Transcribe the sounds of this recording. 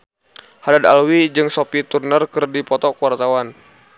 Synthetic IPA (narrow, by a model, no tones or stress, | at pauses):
hadad̪a̰lwid͡ʒɨŋsopit̪urnərkərdipɔt̪ɔkəwart̪awan